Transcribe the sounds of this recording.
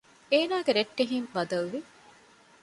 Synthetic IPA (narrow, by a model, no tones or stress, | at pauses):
eːnaːɡeɾeʈːeɦiŋʋɐd̪ɐlʋi